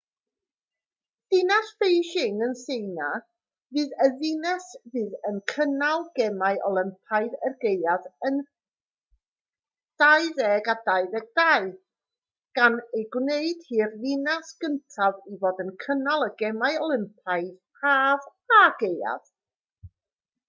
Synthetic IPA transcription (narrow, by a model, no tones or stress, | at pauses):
d̥ɪnasfejʃɪŋənseɨna | vɨːðəðɪnɛsvɨːðənkʰənalˠɡ̥ɛmaɨʔɔlˠɪmpʰajðɛrɡejaðən | d̥ajðɛɡadajðɛɡ̚daɨð | ɡ̥anejɡwneɨd̥hiːrðɪnasɡ̥əntʰavivoːdənkʰənalˠəɡɛmaɨɔlˠɪmpʰaɨðʰ | aːvaɡeja̰ð̥